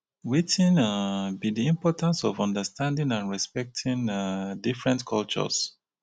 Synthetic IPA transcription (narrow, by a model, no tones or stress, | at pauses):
witĩnabidiĩmpɔtãnsɔvɔ̃ndəstʰãndĩŋãnɹɛspɛk̚tʰĩŋdifɹɛ̃ntkʰɔlt͡ʃɔ̰s